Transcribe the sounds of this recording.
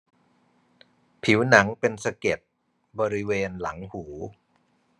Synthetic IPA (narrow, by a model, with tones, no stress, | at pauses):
pʰi˩˦wna˩˦ŋpe˧nsa˧ke˨˩t̪̚ | bɔː˧ɾi˦˥weː˧nla˩˦ŋhuː˩˦